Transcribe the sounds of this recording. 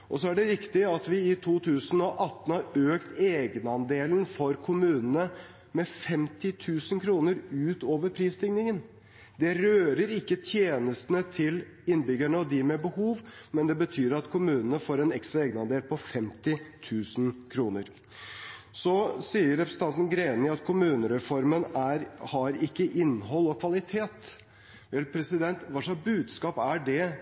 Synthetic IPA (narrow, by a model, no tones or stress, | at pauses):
ʔɔsɔæɖɛɾɪkt̪ɪɑt̪ʋɪɪt̪ʰuːt̪ʰʉːsənɔʔɑt̪ːn̩hɑɾøːkt̪eːɡənɑnd̪eːln̩fɔɾkʰʊmʉːnən̩ə | mɛfɛmt̪ɪt̪ʰʉːsənkʰɾuːnəɾʉːt̪oːʋəɾpʰɾiːst̪ɪŋnɪŋən | d̪ɛɾøːɾəɾɪkːət̪ʰjeːnəst̪nət̪ʰɪl | ɪnːbʏɡæɳəɔd̪ɪmɛbəhuːʋmɛnd̪ɛbət̪ʰyːɾɑt̪kʰʊmʉːnənəfoːɾɛnɛkst̪ɾɑeːɡənɑnd̪eːlpʰɔfɛmt̪ɪt̪ʰʉːsn̩kʰɾuːnəɾ | sɔsiːəɾːɛpɾəsn̩t̪ɑnt̪n̩ɡɾeːnɪɑt̪kʰʊmʉːnəɾɛfɔɾmənæɾhɑɾɪkːəʔɪnːɦɔlːɔkʰʋɑlɪt̪ʰeːt̪ | ʋɛlpʰɾɛsɪd̪ɛnt̪ʋɑʂɑsbʉːd̪skɑːpæɖɛ